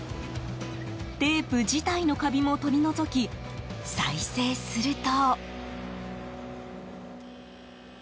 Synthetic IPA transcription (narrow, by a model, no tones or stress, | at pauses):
d̪̥e̞ːpɯ̟d͡ʑit̪aino̞kabʲimo̞t̪o̞ɾʲino̞zo̞kʲisaise̞ːsɨɾɯ̟t̪o